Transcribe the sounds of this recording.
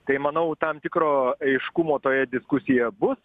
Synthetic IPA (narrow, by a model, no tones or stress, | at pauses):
t̪ɐɪmɐnɐʊt̪ɐmt̪ʲɪkɾoːɐɪʃkʊmoːt̪oːjɛd̪ʲɪskʊsʲɪjɛbʊs